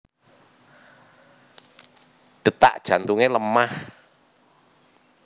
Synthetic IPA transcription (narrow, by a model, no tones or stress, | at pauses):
ɖ̥ə̤t̪a̰ʔd̥ʒ̥a̤nt̪uŋeləmah